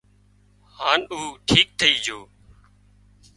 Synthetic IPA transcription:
haːnuːʈʰiːk̚t̪ʰəiːd͡ʒʱoː

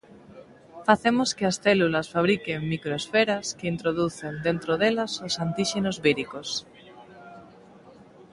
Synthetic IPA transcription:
faθemoskeasθelulasfaβ̞ɾikeŋmikɾoesfeɾaskeint̪ɾoðuθend̪ent̪ɾoðelasosant̪iʃenozβiɾikos

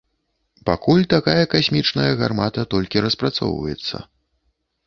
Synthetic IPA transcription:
pakulʲt̪akajɐkasʲmʲit͡ʂnɐjɐɣarmat̪ɐt̪ɔlʲkʲiɾɐspɾat̪sɔ̰wvɐ̰jɛ̰t̪sːɐ̰

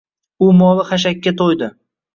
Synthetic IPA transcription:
ʊmɒlˠɪχaʃ̬akʲːat̪ʰojd̪ɪ

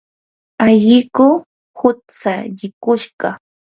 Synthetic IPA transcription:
aʎɪkʊ | hʊt͡saʎɪkʊʃɢɑ

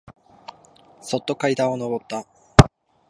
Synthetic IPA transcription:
so̞t̪ːo̞kait̪ão̞no̞bo̞t̪ːa

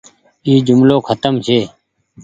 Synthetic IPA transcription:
iːd͡ʒʊmloːkʰət̪əmt͡ʃʰeː

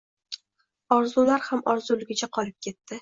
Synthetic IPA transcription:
ɒɾzulaɾhamɒɾzʊlɪɡʲɪt͡ʃʰaqʰɒɾɪp̚kʲʰe̞t̪ʰːɪ

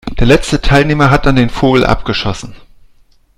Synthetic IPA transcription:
d̥eːɐlɛt͡stətʰaɪlneːmɐɦat̚d̥andeːnfoːɡl̩ʔa̰p̚ɡ̥əʃɔsn̩

